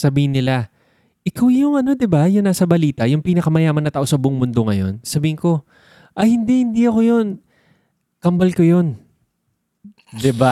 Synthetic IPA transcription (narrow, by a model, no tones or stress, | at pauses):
sɐbiːhɪnːɪla | ʔɪkawjʊŋɐno̞d̪ɪbajʊŋnaːsɐbɐliːt̪ɐjʊŋpiːnɐkɐmɐjaːmɐnːɐt̪aʔo̞sɐbʊʔoŋmʊnd̪o̞ŋɐjo̞̰nsɐbiːhɪŋko̞ | ʔɐjhɪnd̪ihɪnd̪iɐko̞jo̞n | kɐmbɐlkojo̞n | d̪ɪba